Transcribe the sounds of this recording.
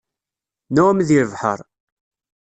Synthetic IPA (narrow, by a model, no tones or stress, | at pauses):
numðiɾəvħə̰ɾˤ